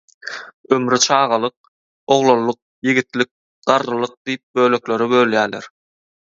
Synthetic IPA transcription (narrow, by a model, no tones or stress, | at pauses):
ømɾit͡ʃʰɑːʁɑlˠɯq̚ | o̞ʁlˠolˠːɯq̚jiɡit̪lik̚ | d̪̥ɑɾʁɯlˠɯq̚d̪̥ijip̚bø̞ːlø̞klø̞ɾibø̞ljæːlḛɾ